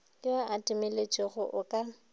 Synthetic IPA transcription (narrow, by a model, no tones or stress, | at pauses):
lɪaʔatʼɪmɪlet͡ʃʼeɣʊʔʊkʼa